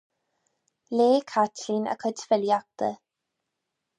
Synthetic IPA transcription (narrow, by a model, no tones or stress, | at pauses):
leːkʰatʰlinə̰kʰətfɪljak̚t̪ə